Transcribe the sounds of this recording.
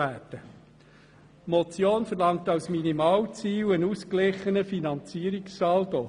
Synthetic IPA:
æːtə | mɔt͡sjoːnfəɾlɑŋ̚tɑwsminimɑːwt͡siːwənusklɪχːənəfinɑnt͡siːəɾikssɑːld̪ɔ

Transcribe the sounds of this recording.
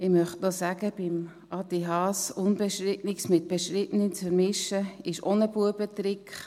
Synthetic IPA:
ɪmœχtnosæɡ̥əb̥ɪm | ʔɑt̪iɦɑːsʊnbɛʃɾɪtnɪksmɪt̪̚b̥ɛʃɾɪtnənt͡sfəɾmɪʃəɪʃonəbuəbət̪ɾɪkχ

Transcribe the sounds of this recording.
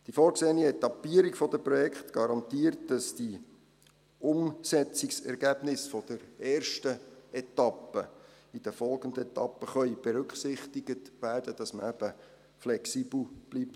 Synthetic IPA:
d̥ifoːɾkseːniɛtɑpːiəɾikfɔd̪əpɾɔjɛkχt̪ɡ̥ɑɾɑntiːərt̚d̥ɑsd̥i | ʊmsɛt͡sɪksɛɾɡæb̥nɪsfɔd̥əɾɛːrʃtəɛtɑpːə | id̥əfɔlˠɡ̥ənd̪əɛt̪ɑpːəχœʏb̥eɾʉkχsɪχtɪɡətʋæːrd̥əd̥ɑsməæb̥ə | flɛksib̥l̩ˠb̥lip̚t

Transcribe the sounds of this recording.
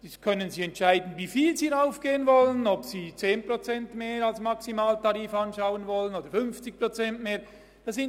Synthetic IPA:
ɛskʰœnənziːɛntʃaɪdn̩vifiːlziːaʊfɡ̥eːənvɔlənɔpsiːt͡seːnpʁot͡sɛntmeːɾalsmɑksimaːltɑʁiːfɑnʃaʊənvɔlənoːdəɾfʏnft͡sɪk̚pʁot͡sɛntmeːɐɾ | d̥ɑsɪn

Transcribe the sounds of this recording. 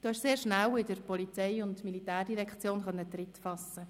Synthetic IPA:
d̥uːɛʃseːɾʃnæwɪdəɾpɔlit͡sɛɪʊntmilitæːrd̥iʁɛkχt͡sjoːnχœnːətrɪtfɑsːə

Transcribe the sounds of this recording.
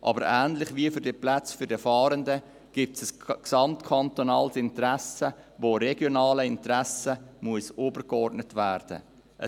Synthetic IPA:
ʔɑ̰bəɾæːnlɪχʋiəfʏɾd̥iəplæt͡sfʏɾdəfɑːɾəndə | ɡ̥ip̚tsəsksɑmt̪kʰɑnt̪onɑːlsɪntɾæsə | voɾɛɡjonɑːləɪntɾæsəmuəsoːbəɾkɔrdnətʋæːɾd̥ə̰ | ʔə

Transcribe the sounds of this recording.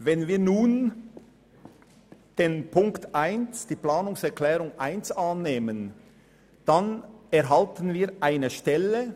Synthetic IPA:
vɛnviːɐnuːn | d̥eːnpʰʊŋktʰʔaɪnsd̥iːplaːnʊŋsɛʁklɛːʁʊŋʔaɪnsanːeːmən | d̥anɛɾɦaltən̩viːʔaɪnəʃtɛlə

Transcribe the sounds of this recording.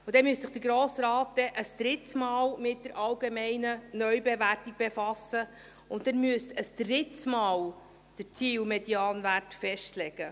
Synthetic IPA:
ʊd̥ɛmyəstsɪχd̥əɾɡɾoːsɾɑːt̚d̥̪ɛʔəsd̪̥ɾɪt̪smɑːlmɪt̚d̥əɾʔɑlɡemɛɪnənœʏbɛværtik̚b̥efɑsə | ʊntdɛnmyəstəsd̥ɾɪtsmɑːl | d̥əɾt͡siːwmɛdiɑːnvætfɛʃtlɛɡ̥ə

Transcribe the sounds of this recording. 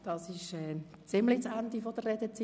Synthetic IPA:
d̥ɑsɪʃɛː | t͡sɪmlɪt͡sændifod̥ərɛd̥ət͡si

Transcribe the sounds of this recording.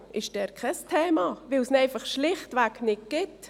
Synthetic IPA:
ʔɪʃd̥ɛːɾkʰɛstʰɛːmɑvɪlsnɛɪfɑχʃlɪχtʋæknɪt̚ɡ̥ɪt

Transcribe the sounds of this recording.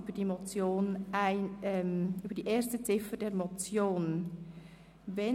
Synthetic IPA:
ybəd̥imɔt͡sjoːnaɪnɛmybəɾdiːʔeːɾstət͡sɪfəd̥ɛɾmɔt͡sjoːn | vɛ

